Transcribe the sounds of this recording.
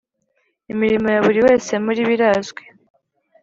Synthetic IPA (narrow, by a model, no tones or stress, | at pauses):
imiɾimo̞jaβuɾiwe̞ːse̞muɾiβiɾazɡwe